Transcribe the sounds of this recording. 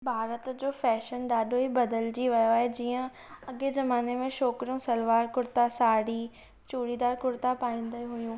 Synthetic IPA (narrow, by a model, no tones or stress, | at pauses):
bʱaːɾət̪d͡ʑoːfɛːʃənɗaːɗʱoɦibɐd̪əld͡ʑiʋɐjoɦed͡ʑiːə̃ | ɐɡezɐmaːnemẽʃɔːkɾjũsɐlʋaːɾkʊɾt̪asaːɽi | t͡ɕuːɽid̪aːɾkʊɾt̪apaːĩːnd̪əɦʊjũː